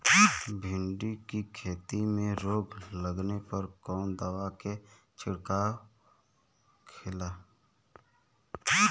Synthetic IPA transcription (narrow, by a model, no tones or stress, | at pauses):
bʱɪ̃ɳɖikikʰeːt̪imẽɾoːɡləɡnepəɾkɔːnd̪əwake | t͡ʃɪɽkaː | kʰɪlaː